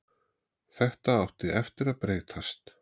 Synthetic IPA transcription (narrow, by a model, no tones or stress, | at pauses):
θɛht̪aawht̪ɪɛft̪ɪɾaðpɾeːjt̪ʰast̪